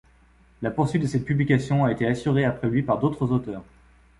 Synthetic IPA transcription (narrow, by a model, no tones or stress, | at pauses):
lapuʁsɥit̪̚d̪əsɛt̪̚pyblikasjɔ̃aet̪easyʁeapχɛlɥipaʁd̪ot̪χəzot̪œːʁ